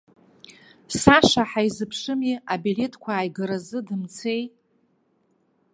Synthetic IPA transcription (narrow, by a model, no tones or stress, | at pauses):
saʂaħajzɨpʰʂɨmiabile̞tʰkʷʰaːjɡɨɾazɨdɨmt͡sʰe̞j